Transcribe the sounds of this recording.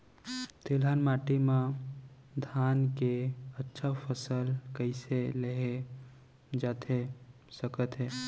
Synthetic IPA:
t̪elanmaʈimã | d̪ʱankeətːʃʰapʰəsəlkəɪseleɦe | d͡ʒaːt̪ɦe | səkət̪ɦɛː

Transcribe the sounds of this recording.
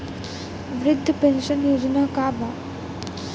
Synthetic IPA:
ʋɾɪd̪ʱːəpenʃənjod͡ʑənaːkaːbʱa

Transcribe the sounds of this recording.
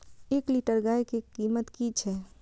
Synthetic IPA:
eːkliʈəɾɡaːekekiːmət̪kit͡ʃʰɛː

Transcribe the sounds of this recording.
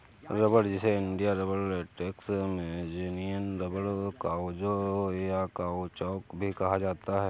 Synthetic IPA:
ɾɐbəɽd͡ʒɪseɪɳɖijaɾɐbəɽʈeːksmẽd͡ʒenijənɾɐbəɽkaːod͡ʒojakaot͡ʃɔːkbʱikɐɦad͡ʒaːt̪aɦɛː

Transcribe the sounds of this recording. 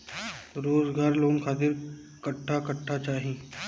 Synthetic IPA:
ɾoːzɡaːɾloːŋkʰxʰaːt̪̬ɪɾ | kɐʈʰːakɐʈʰːat͡ʃaːɦĩː

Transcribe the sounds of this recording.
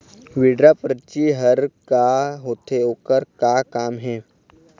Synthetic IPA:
ʋiɖɾapɾət͡ʃiɦəɾkaɦoːt̪ʰeoːkəɾkakaːmɦɛː

